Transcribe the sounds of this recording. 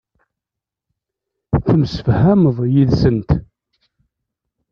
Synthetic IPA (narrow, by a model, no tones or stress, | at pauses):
θəmsə̥fhæməðˤjiðsənt̪